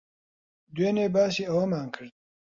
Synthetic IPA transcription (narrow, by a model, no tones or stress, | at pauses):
d̪weːneːbaːsiːɐwɐmaːŋkʰɨɾd̪̚